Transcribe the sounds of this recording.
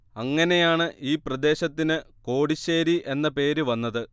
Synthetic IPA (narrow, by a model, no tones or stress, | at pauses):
ɐŋːɐne̞jaːɳɨʔiːprɐd̪e̞ːɕɐt̪ːinɨko̞ːɽiɕeːɾiʔe̞nːɐpe̞ːɾɨʋɐnːɐðɨ